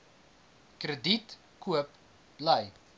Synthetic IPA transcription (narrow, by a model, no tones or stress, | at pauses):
krədit | kuəp | b̥lɐj